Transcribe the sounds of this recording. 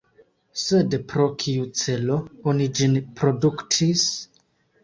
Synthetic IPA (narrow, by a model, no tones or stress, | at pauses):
sedpɾo̞kʰiut͡se̞lo̞onid͡ʒinpɾo̞duktʰis